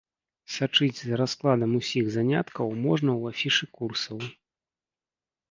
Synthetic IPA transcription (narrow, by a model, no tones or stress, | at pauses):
sat͡ʂɨd͡zʲzɾasklˠad̪ɐmusʲiɣzanʲa̰t̪kɐwmɔʐnɐwafʲiʂɨkursɐw